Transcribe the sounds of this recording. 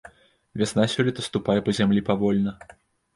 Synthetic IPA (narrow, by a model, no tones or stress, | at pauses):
vʲasnasʲɔlʲit̪ɐst̪upajɛpɐzʲamlʲipavɔlʲnɐ